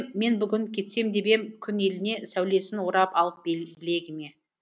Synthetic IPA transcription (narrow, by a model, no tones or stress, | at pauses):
e̞nbʏɡʲɪŋkʲʰe̞t̪se̞md̪e̞be̞mkʲʰʏne̞lɪne̞sæwle̞sɪnwoɾɑpɑlˠəp̚bbɪle̞ɡʲɪme̞